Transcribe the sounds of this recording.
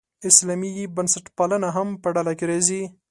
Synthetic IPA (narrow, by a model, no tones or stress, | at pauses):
ɪslɑmibənsaʈpɑlənaɦampəɖalakeɾezi